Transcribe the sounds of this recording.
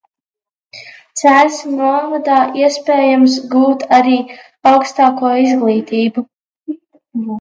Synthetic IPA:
t̪sælʲsnuɔvad̪aːʔiɛspeːjamsɡuːt̪aɾiː | awkst̪aːkuɔizɡlˠiːt̪iːbu

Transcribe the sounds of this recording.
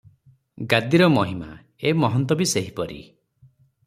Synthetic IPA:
ɡad̪iɾɔmɔɦima̰ | emɔɦɔnt̪ɔbiseɦipɔɾḭ

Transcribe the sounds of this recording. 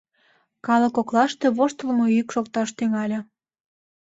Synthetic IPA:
kɑlə̆koklɑʃt̪eβoʃt̪əlmoykʃok̚t̪ɑʃt̪yŋɑlʲɤ

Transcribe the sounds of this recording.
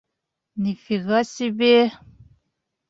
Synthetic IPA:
nifiɣasibe

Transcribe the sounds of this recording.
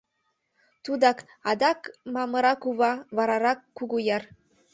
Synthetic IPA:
t̪ud̪ɑk | ɑd̪ɑkmɑmɤ̆ɾɑkuβɑβɑɾɑɾɑkːuɣujɑr

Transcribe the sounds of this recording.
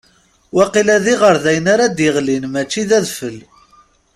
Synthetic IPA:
wæqilæðiʁəɾðæjənaɾad̪jəʁlinmæt͡ʃːiðæðfəl

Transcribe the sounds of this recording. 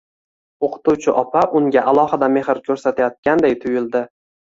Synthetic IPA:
oqʰɨ̥t̪uwt͡ʃʰɪʔɒpʰaʔʊŋɡʲaʔalˠɒhɨd̪ame̞ɦɪɾkʲʰɵɾsat̪ʰajɒt̪̚kʲand̪ejt̪ʰʊjɪlˠd̪ɪ

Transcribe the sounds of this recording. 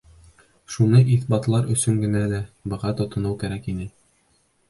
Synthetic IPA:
ʃunɤʔiθbɑt̪lˠɑɾɵ̆sɵŋɡɘ̆nælæbɤ̆ʁɑt̪ŏt̪ŏnɤwkæɾækinɘ

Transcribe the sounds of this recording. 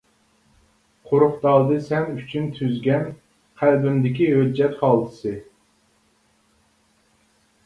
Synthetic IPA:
qʰoɾʊχd̪ɑːd̪ɨsɛnyt͡ʃʰynt̪ʰyzɡʲɛn | qʰælbymd̪ɪkʲiɦød͡ʒːɛt̪χɑlˠd̪ʰɨ̥sɨ

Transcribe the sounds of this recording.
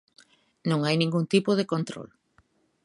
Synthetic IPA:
nõŋajnĩŋɡuŋt̪ipoðekont̪ɾo̰l

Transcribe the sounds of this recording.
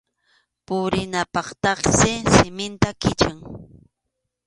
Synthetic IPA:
pʊɾɪnapɑχt̪ɑqsɪsɪmɪnt̪akɪt͡ʃaŋ

